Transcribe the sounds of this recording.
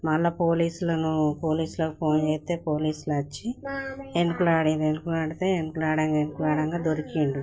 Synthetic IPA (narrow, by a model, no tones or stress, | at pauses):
mɐlːɐpoːliːsulɐnupo̞ːliːsulɐpoːnd͡ʒeːt̪e̞ːpo̞ːliːsulɐt͡ʃːienukulaːɽind̪enukulaːɽit̪e̞enukulaːɽɐŋɡaenukulaːɽɐŋɡaːd̪oɾikiɳɖu